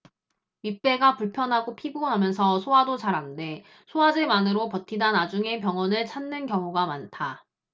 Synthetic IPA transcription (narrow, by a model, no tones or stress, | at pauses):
ip͈e̞ɡapuɭpʰjʌnɦaɡopʰiboɦamjʌnsʰʌsʰoɦadot͡ɕaɾande̞ | sʰoad͡ʑe̞manɯɾopʌtʰidanad͡ʑuŋe̞pjʌŋʌnɯɭt͡ɕʰanːɯnkjʌŋuɡamantʰa